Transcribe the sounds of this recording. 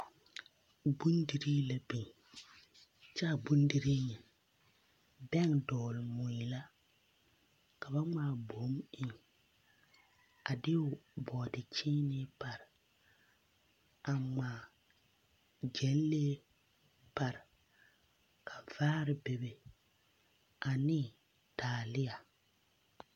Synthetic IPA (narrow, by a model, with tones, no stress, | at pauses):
bu˦ndi˨ɾiː˦la˨bi˨ŋ | t͡ʃa˦˨bu˦ndi˨ɾiː˦ɲɛ˨ | bɛ˦ŋdɔː˨lɪ˨mʊ˨i˨la˦ | ka˨ba˦ŋ͡maː˨bo˨˦mɪ˨ŋ | a˨dɪ˦ʊ˨bɔː˨dɪ˨t͡ʃɪː˦nɪ˦pa˨ɾ | a˨ŋ͡maː˨ | d͡ʒɛ˨˦n˦leː˦ | pa˨ɾɪ˨ | kʰa˨vaː˦ɾɪ˨be˨be˨ | a˨nɪ˦˨ | taː˨lɪ˦ja˨